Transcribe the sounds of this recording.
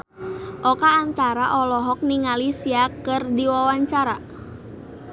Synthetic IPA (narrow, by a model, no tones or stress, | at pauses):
ʔɔkaːnt̪aɾaʔɔlɔɦɔk̚niŋalisiakərdiwawaɲt͡ʃaɾa